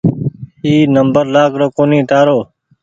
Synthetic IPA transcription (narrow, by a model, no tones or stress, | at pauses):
hiːnəmbəɾlaːkɾoːkoːnĩːt̪aːɾoː